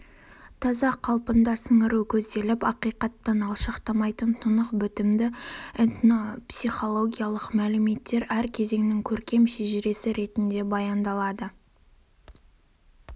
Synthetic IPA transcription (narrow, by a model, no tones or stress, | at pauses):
t̪ʰɑzɑqʰɑlˠpənd̪ɑsəɴəɾukʲʰɵzd̪e̞lɪpɑqijqɑt̪ːɑnɑlˠʃɑqt̪ɑmɑjt̪ənt̪ʰʊnəqbʏt̪ɪmd̪ɪent̪nopsiχo̞lˠo̞ɡʲijɑlˠəqmælɪme̞t̪ːe̞ɾæɾkʲʰe̞ze̞ŋnɪŋkʲʰɵɾkʲe̞mʃeʒɪɾe̞sɪɾe̞t̪ɪnd̪e̞bɑjɑnd̪ɑlˠɑd̪ə